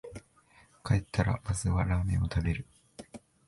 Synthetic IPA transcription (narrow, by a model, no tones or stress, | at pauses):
kaet̪ʰːaɾa̰mazɨβaɾaːmḛ̃o̞t̪ʰabe̞ɾɯ̟